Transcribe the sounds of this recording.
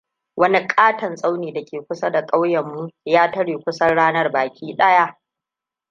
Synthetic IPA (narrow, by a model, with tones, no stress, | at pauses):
wɐ˦ni˦kʼaː˦tɐ˨nsʼa˦wniː˨da˨kʲeː˨kʷʊ˦sa˦da˨kʼa˦wjɐ˨mːu˦jaː˦tɐ˦ɽiː˨kʷʊ˦sɐ˦nɽaː˦nɐ˦rbaː˨kʲʰiː˦ɗɐ˦ja˦ʔ